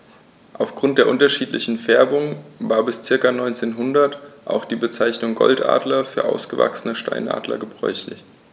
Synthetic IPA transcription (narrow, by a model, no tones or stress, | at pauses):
ʔaʊfɡ̥ʁʊnt̚d̥eːɐʔʊntɐʃiːtlɪ̰çn̩fɛɐbʊŋvaːɐbɪst͡sɪɐkanɔʏnt͡seːnɦʊndɐtʔa̰ʊxd̥iːbət͡saɪçnʊŋɡɔ̰ltʔa̰ːdlɐfyːɐʔaʊsɡ̥əva̰ksənəʃta̰ɪnʔa̰ːdlɐ̰ɡəbʁɔ̰ʏçlɪç